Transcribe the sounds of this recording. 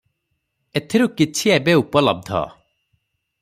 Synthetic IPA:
et̪ʰiɾukɪt͡ʃʰiɛbeupələ̰b̚d̪ʱɔ̰

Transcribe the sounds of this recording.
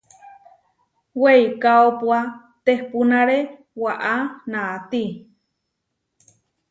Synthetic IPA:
weikaopwa | t̪ehpunaɾe | waʔanat̪i

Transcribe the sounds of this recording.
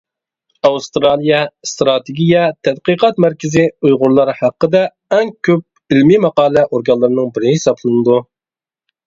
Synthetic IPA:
ɑwust̪ɾɑlˠijɛst̪ɾɑt̪eɡʲijɛt̪ʰɛd̪qəqɑt̪mæɾkʲɪzɪujʁʊɾlˠɑɾhæqːəd̪ɛ | ɛŋkʲʰøp̚ | ilmimɑqɑːlˠɛʔoɾɡɑlˠːɨɾɨnɨŋbɪɾhɪsɑblˠɨnɨd̪u

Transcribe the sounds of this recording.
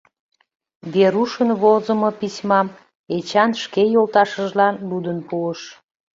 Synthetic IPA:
βeɾuʃənβozəmopisʲmɑm | et͡ɕɑnʃkejolt̪ɑʃəʒlɑnlud̪ənpuəʃ

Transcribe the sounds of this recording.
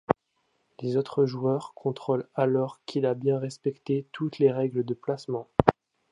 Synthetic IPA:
lezot̪χəʒuœʁkʰɔ̃t̪χolalɔʁkʰilabjɛ̃ʁɛspɛkt̪et̪ʰut̪leʁɛɡləd̪əplasmɑ̃

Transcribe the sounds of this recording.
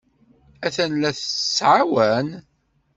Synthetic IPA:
æθænlæθsʕawæn

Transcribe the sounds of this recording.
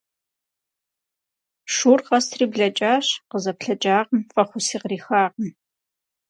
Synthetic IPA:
ʂuːrqɐstʰriːbɮɐt͡ʃʼaːɕqəzɐpɬɐt͡ʃʼaːʁəmfʼɐχʷʊsiːqriːxaːʁəm

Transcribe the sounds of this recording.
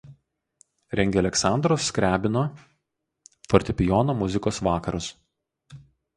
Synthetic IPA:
ɾʲɛŋʲɡʲɛlʲɛksɑˑnd̪ɾoːsːʲkɾʲæːbʲɪnoː | fɔɾʲt̪ʲɪpʲɪjɔːnoːmʊzʲɪkoːsʋɑːkɐɾʊs

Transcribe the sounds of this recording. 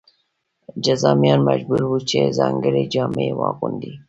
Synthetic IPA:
d͡ʒazɑmijɑnmaʒbuɾwut͡ʃezɑŋɡəɾed͡ʒɑmewɑkund̪i

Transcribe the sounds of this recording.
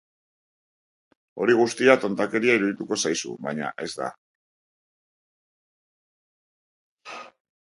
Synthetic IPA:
o̞ɾiɣ̞ust̪iat̪o̞nt̪ake̞ɾiaiɾuðit̪uko̞sajsṵβajɲa̰ʔe̞zd̪a̰

